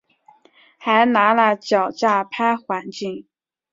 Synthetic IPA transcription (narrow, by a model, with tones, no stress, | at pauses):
xa˧˥ɪna˧˥lə˥˧t͡ɕjɑ˨˩ʊt͡ɕja˥˩pʰa˥ɪxwa˧˥nt͡ɕi˥˩ŋ